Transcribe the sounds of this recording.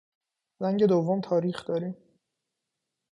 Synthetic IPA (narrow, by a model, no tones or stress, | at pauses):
zæŋɟe̞d̪ovːomt̪ʰɒːɾiːxd̪̥ɒːɾiːm